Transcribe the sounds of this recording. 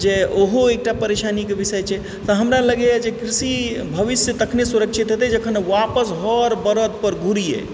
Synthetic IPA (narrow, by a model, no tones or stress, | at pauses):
d͡ʒeʔoɦoek̚ʈapəɾesanikebisəjt͡ʃʰɛ | t̪əɦəmɾaləɡejad͡ʒekɾisibʱəʋisjət̪əkʰnesuɾəkt͡ʃʰit̪ɦot̪ɛd͡ʒəkʰəneʋapəsɦɔɾbəɾəd̪̚pəɾɡʱuɾijḛ